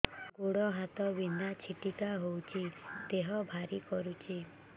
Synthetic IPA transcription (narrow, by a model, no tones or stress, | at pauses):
ɡuɽɔɦat̪ɔbinat͡ʃʰiʈikaɦowt͡ʃʰit̪eɦɔbʱaɾikɔɾut͡ʃʰi